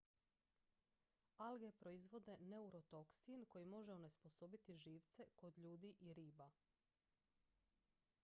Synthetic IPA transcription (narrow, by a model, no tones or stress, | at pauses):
alɡepɾo̞izʋo̞d̪e̞neuɾo̞t̪o̞ksinko̞jimo̞ʒeone̞sposobit̪iʒiːʋt̪se̞ko̞d̪ʎuːd̪iʔiɾiːba